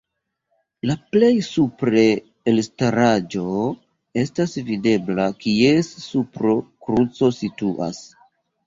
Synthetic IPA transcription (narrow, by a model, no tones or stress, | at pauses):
laple̞jsupɾe̞ː | lstaɾad͡ʒo̞ | e̞stasvide̞blakie̞ssupɾo̞kɾut͡so̞situʔa̰s